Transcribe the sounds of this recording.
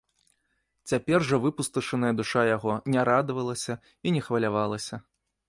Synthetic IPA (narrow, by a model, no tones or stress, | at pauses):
t͡sʲapʲɛrʐɐvɨpust̪ɨʂɐnɐjɐd̪uʂajaɣɔnʲɛɾad̪vɐlˠɐsʲɐ | inʲɛxvɐlʲavalˠɐsʲɐ